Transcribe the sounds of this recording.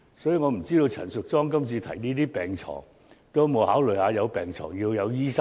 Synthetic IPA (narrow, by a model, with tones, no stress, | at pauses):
sɔː˨˥ji˨˧ŋɔː˨˧m̩˨˩t͡siː˥ɾo˧wt͡sʰɐ̰˨˩nsʊ˨k̚t͡sɔː˥ŋkɐ˥mt͡sʰiː˧t̪ʰɐ̰˨˩jniː˥t̪iː˥pɛː˨ŋt͡sʰɔ̰ː˨˩ŋ | t̪o˥mo˨˧whaː˨˥wlɵ˨˩haː˨˧jɐ˨˧wpɛː˨ŋt͡sʰɔ̰ː˨˩ŋjiː˧wjɐ˨˧wjiː˥sɐ˥